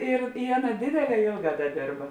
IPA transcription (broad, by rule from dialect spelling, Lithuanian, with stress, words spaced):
ɪr ɪ ˈɑːˌnɐ ˈdʲeːdʲeːˌlʲɛː ˈeːlˠˌɡɑː ˈdɐ ˈdʲeːrbɐ